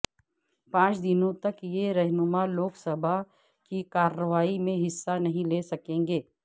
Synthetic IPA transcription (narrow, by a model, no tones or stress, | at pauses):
pãːt͡ʃd̪ɪnõt̪ɐkjeɾɛɦnʊmaloːksɐbʱa | kikaːɾəʋaːimẽɦɪsːanɐɦĩleːsɐkẽːŋɡeː